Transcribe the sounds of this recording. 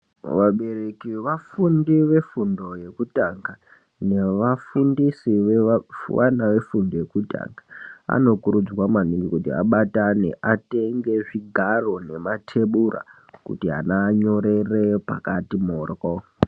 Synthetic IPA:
ʋaɓe̞rekiʋafundiʋe̞fundo̞je̞kutaŋɡa | ne̞ʋafundisiʋ̰wa̰naʋe̞fundoje̞kuta̰ŋɡaa̰no̞kuɾud͡zwamaniŋɡikutia̰ɓatane̞̰ʔate̞ŋɡe̞ʐiɡʱaro̞ne̞matʰe̞ɓura̰ | kṵtiɦa̰naɲo̞ɾe̞repakatimoːrɣo

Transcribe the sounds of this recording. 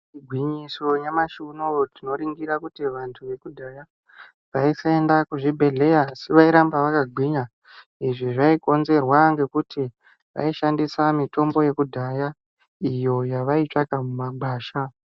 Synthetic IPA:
iɡʱwiɲiso̞jamaʃunotino̞ɾiŋɡiɾakutiʋantʰuʋe̞kudʱaja | ʋaisae̞ndakuʐibʱe̞ɮe̞jaːsiʋaiɾambaʋakaɡʱwiɲa | iʐiʐaiko̞nze̞rwaŋɡe̞kuti | ʋa̰iʃandisamito̞mbo̞je̞kudʱaja | ijo̞jaʋait͡ʂakamumaɡ͡baːʃa

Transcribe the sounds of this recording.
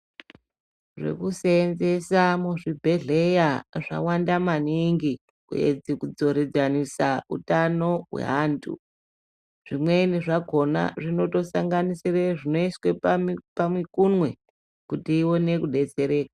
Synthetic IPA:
ʐe̞̰kuseːnze̞samuʐibʱe̞ɮe̞jaʐa̰wandamaniŋɡi | kṵḛd͡zikud͡zo̞ɾed͡zanisaṵtano̞wḛɦaːntṵ | ʐ̥imweniʐaɡʱo̞na̰ʐino̞to̞saŋɡanisireʐino̞iswepamwekunwe̞ | kutiːwo̞ne̞kuɗe̞t͡se̞ɾe̞ːka

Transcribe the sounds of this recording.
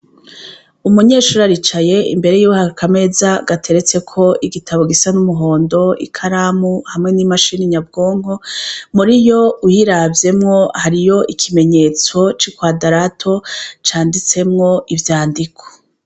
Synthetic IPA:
umuɲe̞ːʃuɾaɾit͡ʃaje̞ḭmbe̞ɾe̞juwehakʰame̞zaɡatʰe̞ɾe̞t͡se̞kʰo̞iɡitʰaβo̞ɡisanumuɦo̞ːndo̞ḭkʰaɾaːmuhamŋe̞nimaʃiniɲabɡo̞ːŋho̞muɾijo̞uhiɾavje̞mŋo̞haɾijo̞ʔikʰime̞ɲe̞ːt͡so̞t͡ʃikwaːdaɾatʰo̞t͡ʃaːndit͡se̞mŋo̞ʔivjaːndikʰo̥

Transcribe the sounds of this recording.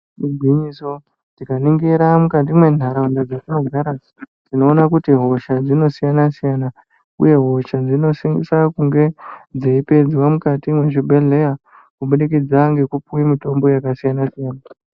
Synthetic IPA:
miɡiɲiso̞ | tikaniŋɡeɾamukat̬imwe̞n̤ʱaɾaundad͡zatino̞ɡʱaɾa | d͡zino̞ːnakutiɦo̞ʃad͡zino̞sijanasijana | ṵje̞ɦo̞ʃad͡zino̞siŋɡḭsakuŋɡe̞d͡zeipe̞d͡ziwamukatimwe̞ʐibʱele̞ja | kuɓuɗikid͡zaŋɡe̞kupuimito̞mbo̞jakasijanasijaːna

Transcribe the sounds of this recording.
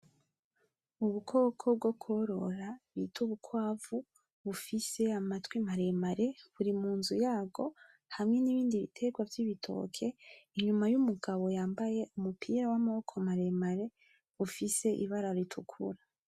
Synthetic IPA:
uβukʰo̞ːkʰob̚ɡokʰo̞ɾo̞ɾaβitʰuβukʰwaːvu | βufise̞amatwimaɾemaɾe̞βuɾimuːnzujaːɡo̞ | hamŋe̞niβiːndiβḭtʰe̞ɡwavjiβitʰo̞̰ːkʰe̞iɲumajumuɡaβo̞jaːmbaje̞ʔumupʰiːɾawamokʰo̞maɾemaɾe̞ | βufise̞ʔḭβaɾaɾitʰukʰṵɾa

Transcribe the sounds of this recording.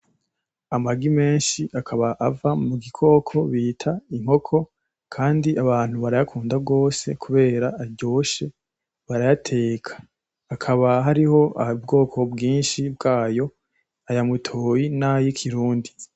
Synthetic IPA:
amaɡime̞ːnʃiʔakʰaβaʔavamuɡikʰo̞ːkʰo̞βiːtʰaiŋ̥ho̞kʰo̞ | kʰaːndiaβaːn̥huβaɾajakʰuːndab̚ɡo̞ːse̞kʰuβe̞ːɾaːɟo̞ːʃe̞ | βaɾajatʰe̞ːkʰḁː | kʰaβaɦaɾiho̞aub̚ɡo̞ːkʰo̞bɡiːnʃibɡaːjo̞ | ajamutʰoːjinajikʰiɾuːndi

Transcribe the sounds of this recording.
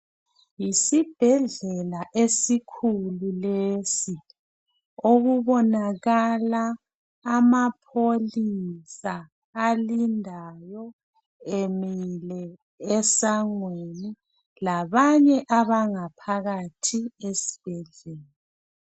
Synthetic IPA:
jisib̥ʱɛɮɛlaʔesikʰululesi | oɣuβɔnaɣalaː | mapʰolisaː | lindʱajɔ | emilɛ | ɛsaŋweni | laβaɲɛʔaβaŋapʰaɣatʰiesi̥b̥ʱɛɮeːla

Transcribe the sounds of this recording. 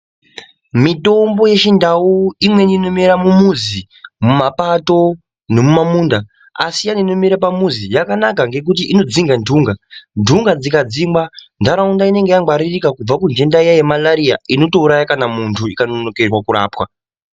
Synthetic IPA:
mito̞mbo̞je̞t͡ʃindauimwe̞nino̞miɾamumuzi | mumapato̞ | ne̞mumamunda | a̰sijaninomiɾapamuzijakanakaŋɡe̞k̬utiʔino̞d͡ziŋɡandʱuːŋɡandʱuŋɡad͡zikad͡zimɡandaɾaundaine̞ŋɡe̞jaŋɡwaɾirikakub͡vakund͡ʒe̞ndaijajemalaɾia̰ʔino̞to̞uɾajakanamuntʰuikanono̞ke̞rwakuɾa̰ːpwa

